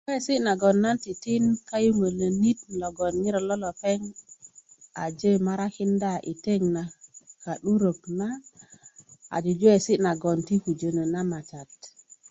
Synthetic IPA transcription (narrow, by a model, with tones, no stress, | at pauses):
we˦si˦ʔna˨ɡɔ˨nːa˦nti˨ti˦nka˦ju˦mə˨lə˨ni˦t̚lo˨ɡɔ˨nɲi˦ɾo˨lo˦lo˨pe˦ŋ | a˨d͡ʒe˦˨ma˦ɾa˦ki˦nda˦ʔi˨te˦ŋna˨ka˨ɗu˦ɾo˨kna˦ | a̰˨d͡ʒu˨d͡ʒu˦e˨si˦ʔna˨ɡo˨nti˦ku˨d͡ʒə˨nə˨na˦ma˨t͡ʃa˨t̚